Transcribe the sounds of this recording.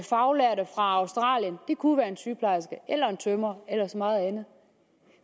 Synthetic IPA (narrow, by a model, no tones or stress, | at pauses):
fɑ̈ʊlæɐɾəfʁɑ̈ɑ̈ʊsd̥ʁɑ̰̈ːljənd̥ekʰuʋæːɐe̝nsyːpʰlɑ̈ɪsɡ̥əʔelɐe̝nt͡sʰømɐelɐsmɑ̈ːð̩ˠænð̩ˠ